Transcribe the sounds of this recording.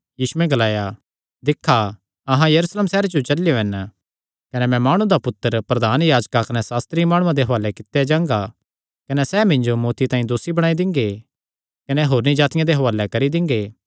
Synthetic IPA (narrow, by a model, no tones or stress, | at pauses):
jiːsueɡɐlaːja | d̪ɪkʰːa | ɐɦãjɐɾuːsleːmsɛːɾed͡ʒot͡ʃɐlɪjoɦɛn | kɐnɛmɛ̃maːɽ̃ũd̪apʊt̪ːəɾpɾɐd̪aːnjaːd͡ʒkakɐnɛsaːst̪ɾimaːɽ̃ʊ̃ãd̪eɦɐʋaːlɛkɪt̪ːjad͡ʒãːŋɡa | kɐnɛsɛmɪ̃ɲd͡ʒomɔːt̪it̪ãːĩd̪oːsibɐɽaːid̪ɪ̃ŋɡe | kɐnɛɦoːɾnid͡ʒaːt̪ɪjãd̪eɦɐʋaːlɛkɐɾid̪ɪ̃ŋɡeː